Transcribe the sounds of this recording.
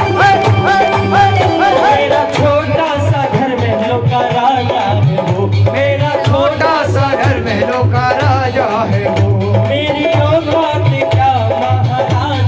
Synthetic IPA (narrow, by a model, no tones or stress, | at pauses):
meːɾat͡ʃʰoːʈasaɡʱɐɾmɛɦlõːkaɾaːja | ɦeʋoːmeːɾat͡ʃʰoːʈasaɡʱɐɾmɛlõːkaɾaːja | ɦɛʋoː | meːɾiɔːɡʱaːt̪ekjaːaaa